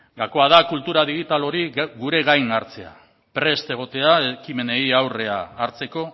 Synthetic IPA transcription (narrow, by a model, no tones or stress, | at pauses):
ɡako̞aðakult̪uɾaðiɣit̪alo̞ɾiɣuɾe̞ɣajnaɾt͡se̞a̰ | pɾe̞st̪e̞ɣ̞o̞t̪e̞aekime̞ne̞iawre̞a̰ːɾt͡se̞ko̞